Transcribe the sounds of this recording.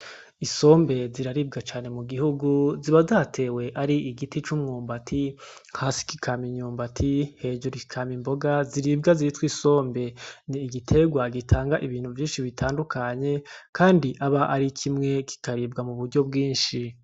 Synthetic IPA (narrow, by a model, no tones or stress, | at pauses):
iso̞ːmbe̞ziɾaɾib̚ɡat͡ʃaːne̞muɡihuɡuziβazatʰe̞we̞ʔaɾiʔiɡitit͡ʃumŋuːmbatʰiŋhaːsi̥ki̥kʰamiɲuːmbatʰihe̞d͡ʒoɾiikʰamimbo̞ɡaziɾibɡaziitwiso̞ːmbe̞niːɡitʰe̞ɡwaɡitʰaːŋɡaʔiβiːn̥uvjiːnʃiβitʰaːndukʰaɲe̞kʰaːndiʔaβaʔaɾikʰimŋe̞kʰi̥kaɾibɡamuβuɾɟo̞bɡiːnʃi